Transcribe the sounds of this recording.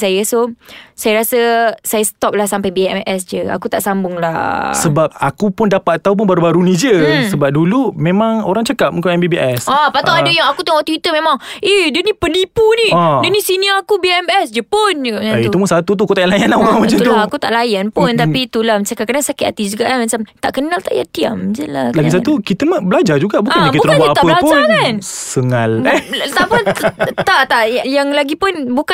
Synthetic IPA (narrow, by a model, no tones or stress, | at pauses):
sajəsosajəɾasəsajasə̥t̪ɔp̚lahsampajbiɛ̰mʔɛs̬d͡ʒəa̰kut̪aʔsambʊŋlasəbap̚akupʊndapat̪̚ːaup̬ʊnbaɾubaɾunĩd͡ʒəsəbap̚dulumemaŋoɾaŋt͡ʃəkap̚mũŋkaɛmbibiʔɛsɔpat̪aadəjaŋakut̪aŋwat̪uit̪əmẽmaŋʔedənipənipuniɔdənisiniakubiɛmɛsd͡ʒəpʊnd͡ʒuɡaʔaiumusat̪ut̪̬ukut̪ajalajanauaŋmat͡ʃat̪ulaakut̪a̰ʔlajanpʊnt̪apit̪ulamət͡ʃakakadaŋsakɪt̪a̰t̪id͡ʒuɡa̰ʔkaməɲt͡ʃamt̪a̰ʔkənalt̪aʔja̰t̪ia̰md͡ʒəla̰klaɡis̬at̪ukit̪əmabəlad͡ʒad͡ʒuɡaʔbukanktbuk̪ɾkanbaaʔbblapd͡ʒakansəŋalt̪aʔpʊnt̪aʔt̪aʔjaŋlaɡipʊnbuka